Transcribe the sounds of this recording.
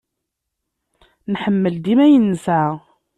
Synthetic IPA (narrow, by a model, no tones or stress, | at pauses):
nħəmːəld̪imæjənːsæ